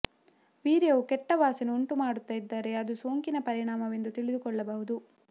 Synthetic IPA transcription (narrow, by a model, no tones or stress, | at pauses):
ʋiːɾejɐːukɛʈːɐʋaːsɐnuuɳʈumaːɽut̪ːɐjid̪ːaːɾe̞ɐd̪usoːŋkinɐpɐɾiɳaːmɐʋend̪ut̪iɭid̪ukɔɭːɐbɐɦud̪u